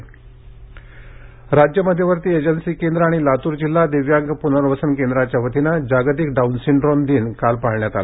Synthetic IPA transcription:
ɾad͡ʑjəməd̪ʱːjeʋəɾt̪iːed͡ʑənsiːkend̪ɾəaɽ̃ilat̪uːɾd͡ʑilːad̪iʋjaŋkpun̤əɾʋəsənkend̪ɾat͡ɕjaʋət̪inad͡ʑaɡt̪̬iːkɖaunsiɳɖɾond̪iːnkalpaɽɳjat̪ala

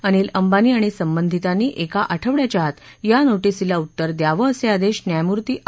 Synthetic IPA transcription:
əñiːləmbaniːaɽ̃isəmbənd̪ʱit̪aniːʔekaʔəʈʰəʋɭjat͡ɕaɦat̪janoʈisilaut̪ːəɾd̪jaʋəːsead̪eɕnjajmuɾt̪iːʔ

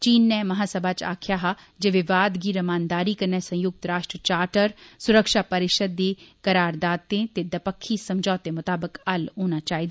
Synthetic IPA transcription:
t͡ʃiːnːɛmɐɦaːsɐbʱaːt͡ʃa̰ːkʰjaːɦa | d͡ʒeʋɪʋaːd̪ɡiɾɐmaːnd̪aːɾikɐɾnɛsɐ̃jʊk̚t̪ɾaːʃʈɾət͡ʃaːɾʈəɾsʊɾəkʃapɐɾɪʃəd̪ekɐɾaːɾd̪aːt̪ẽt̪ed̪ɐpəkʰːisɐmd͡ʒʱɔːt̪ẽmʊt̪aːbəkɐlɦoːnat͡ʃaːɦid̪a

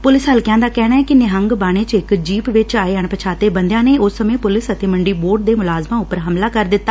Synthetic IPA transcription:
pʊlɪsɦəlkjãːnd̪aːkɛːɽ̃aːɛːkɪnɪɦəŋɡbaːɽ̃eːt͡ʃɪkd͡ʒiːpʋɪt͡ʃaːeːəɳpət͡ʃʰaːt̪eːbə̃nd̪jãːneːʔʊsːəmẽːpʊlɪsət̪eːməɳɖiːboːɖ̚d̪eːmʊlaːzmãːʊpːəɾɦəmlaːkəɾd̪ɪt̪ːaː

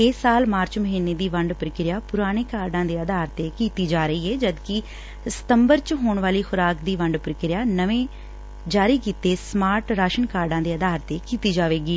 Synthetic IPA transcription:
eːsaːlmaːɾt͡ʃməɦiːneːd̪iːʋəɳɖpɾkɪɾɪjaːpʊɾaːɽ̃eːkaːɾɖãːd̪eːəd̪aːɾt̪eːkiːt̪iːd͡ʒaːɾəiːɦɛːd͡ʒəd̪kɪ | sə̥t̪əmbəɾt͡ʃɦoːɳʋaːliːxʊɾaːkd̪iːʋəɳɖpɾkɪɾɪjaːnəʋẽː | d͡ʒaːɾiːkiːt̪eːsmaːɾʈɾaːʃənkaːɾɖãːd̪eːəd̪aːɾt̪eːkiːt̪iːd͡ʒaːʋeːɡiː

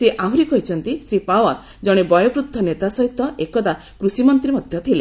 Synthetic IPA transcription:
seʔaɦuɾikɔɦit͡ʃʰɔnt̪isɾipawɔɾ | d͡ʒɔɽ̃ebɔjɔpɾut̪ʰːɔnet̪asɔɦit̪ɔʔekɔd̪a | kɾusimɔnt̪ɾimɔd̪ʱjɔt̪ʰile

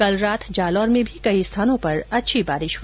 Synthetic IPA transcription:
kɐlɾaːt̪ʰd͡ʒaːlɔːɾmẽbʱikɐist̪ʰaːnõpɐɾɐtːʃʰibaːɾɪʃ

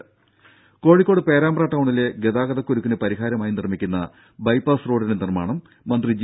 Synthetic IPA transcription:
ko̞ːɻikʲːo̞ːɽɨpe̞ːɾaːmɐraːʈːɐwɳile̞ɡe̞ðaːɡɐðɐkːuɾukːinɨpɐɾiɦaːɾɐmaːjinirmikʲːunːɐ | bɐjpːaːsroːɖinenirmaːɳɐmː | ɐnd̪rid͡ʑ

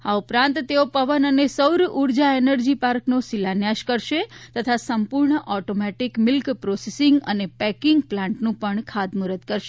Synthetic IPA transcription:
aupɾãnt̪t̪ːeopəʋənənesəwɾʔuɾd͡ʒaenəɾd͡ʒipaɾknosilanjaʃkəɾʃet̪ət̪ʰasəmpuɾɳəʔɔʈomɛʈikmɪlkpɾosesiŋɡə̰nepɛkɪŋɡplãɳʈnũpəɳkʰad̪muɾət̪kəɾʃe̥

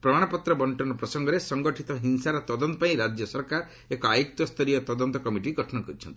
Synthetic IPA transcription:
pɾɔmaɽ̃ɔpɔt̪ɾɔbɔɳʈɔnɔpɾɔsɔŋɡɔɾesɔŋɡɔʈʰit̪ɔɦinsaɾɔt̪ɔd̪ɔnt̪ɔpaĩɾad͡ʒjɔsɔɾkaɾɔ | ekɔajuk̚t̪ɔst̪ʰɔɾijɔt̪ɔd̪ɔnt̪ɔkɔmiʈiɡʱɔʈʰɔnɔkɔɾit͡ʃʰɔnt̪i̥

